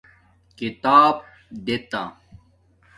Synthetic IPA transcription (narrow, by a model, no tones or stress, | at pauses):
kit̪aːb | d̪et̪a